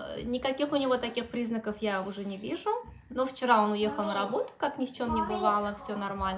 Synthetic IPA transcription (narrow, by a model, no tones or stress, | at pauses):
nʲɪkɐkʲixʊnʲɪvo̞t̪ɐkʲixpɾʲiznəkəfjaʊʐɛnʲɪvʲiʐʊ | noft͡ɕɪɾao̞nʊje̞xəlˠnəɾɐbo̞t̪ʊ̥kaknʲɪft͡ɕomnʲɪbɨvalˠəfsʲonɐrmalʲn